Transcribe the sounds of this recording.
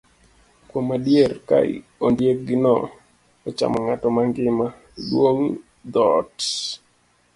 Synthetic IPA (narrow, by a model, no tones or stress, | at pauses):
kwomadjerka̰ɪ̰ | ondjek̚ɡɪnɔ̰ | ɔt͡ʃa̰mɔŋatɔmaŋɡɪma | dwoŋ | d̪ɔt